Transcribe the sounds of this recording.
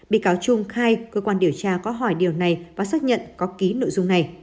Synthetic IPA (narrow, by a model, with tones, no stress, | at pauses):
ɓḭ˧˨kaː˨˦wt͡ɕʊ˧ŋ͡mxaː˧jkəː˧kwaː˧nɗi˧˩əwt͡ɕaː˧kɔ˨˦ɦɔ˧˩jɗi˨˩əwna˨˩jvaː˨˩saː˦˥k̚ɲə̰˧˨nkɔ˨˦ki˨˦no̰˧˨jzʊ˧ŋ͡mna˨˩j